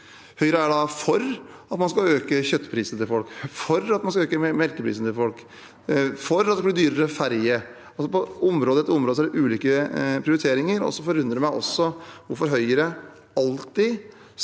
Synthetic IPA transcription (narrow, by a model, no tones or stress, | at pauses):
hœʏəɾəæɖɑfɔɾɑt̪mɑnskɑøːkəçœt̪ːə̥pʰɾiːsənət̪ɪlfɔlkfɔɾɑt̪mɑnskɑøːkəmɛɾkəpʰɾḭsənət̪ʰɪlfɔlk | fɔɾɑt̪d̪ɛkb̪iːd̪yːɾəɾəfæɾjə | ɑlsɔpɔʊmɾoːd̪əɛt̪ːəʊmɾoːd̪əsɔæɖɛʔʉːliːkəpʰɾɪʊɾɪt̪ʰeːɾɪŋəɾɔ̰sːɔfɔɾʉnd̪ɾəɾɪmæɪʔɔ̰sːɔʋʊɾfɔɾɦœʏəɾə | ɑlt̪ɪ